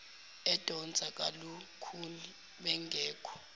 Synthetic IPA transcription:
ɛd̥ʱɔnd͡zʱakʼalukʰuni | ɓɛŋɡʱɛːkʰɔ̥

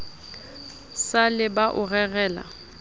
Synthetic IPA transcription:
salɪbaʔʊɣɛɣɛːla̰

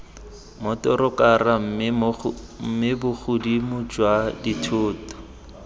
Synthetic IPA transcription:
mʊtɔɾʊkaram̩ | m̩mɪbʊχʰʊdimʊd͡ʒwaditʰʊːtɔ̥

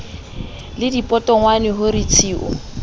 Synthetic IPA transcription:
lɪdipʼɔtʼɔŋwanɪɦʊɾit͡sʰiːʔʊ̰

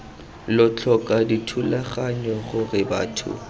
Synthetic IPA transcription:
lɔt͡ɬʰɔkʼaditʰulaχaɲɔχʊrɪba̰ːtʰʊ̰

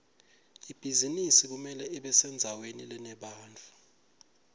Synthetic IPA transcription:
ib̥ʱizinisik̬umɛlɛɛɓɛsɛnd͡zʱawenilɛnɛɓaːnt͡fʰʼu

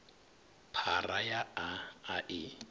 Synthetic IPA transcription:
pʰarajaaaʔɪ

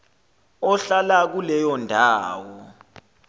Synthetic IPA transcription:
ɔɬalak̬ulɛjɔndʱaːwɔ

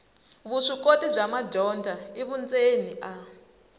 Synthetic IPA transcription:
βuʂikotib͡ʐamadɔndʱaiβund͡zeniʔa

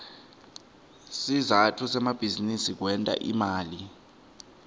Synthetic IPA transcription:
sizatʰusɛmab̥ʱizinisik̬wɛntʼa̰ʔimaːli

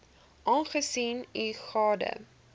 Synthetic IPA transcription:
ʔɑːnχəsiːniχɑːdə̰

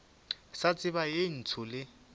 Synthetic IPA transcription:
sat͡sʼɪβajɪn̩t͡sʰʊlɪ

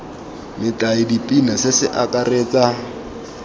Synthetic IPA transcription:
mɪtʼaɪdipʼinasɪsɪʔakʼareːt͡sʼa

